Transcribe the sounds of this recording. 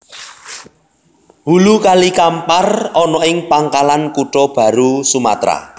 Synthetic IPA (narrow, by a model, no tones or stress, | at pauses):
hulukalikamparɔnɔɪŋpaŋkalankuʈɔb̥ä̤ɾusuma̰t̪ɾa̰